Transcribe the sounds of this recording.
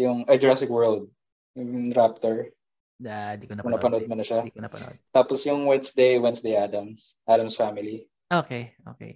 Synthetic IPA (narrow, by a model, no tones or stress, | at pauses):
jʊŋʔɐjd͡ʒɹasɪkwɛɹld̪̚ | ɾap̚t̪ɛɹ | d̪kʊŋnɐpɐnod̪̚mɐnɐʃa̰t̪aːpɔsjʊŋwɛnsd̪ejwɛnsd̪ejʔaːd̪ɐmsʔad̪ɐmsfamɪli | ʔokeʔo̰kḛ